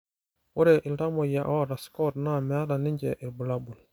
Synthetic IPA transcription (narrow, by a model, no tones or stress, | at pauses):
wɔɾɛʔiltamɔjaʔawaɾaskɔtnamɛadaniɲd͡ʒɛʔilbulabul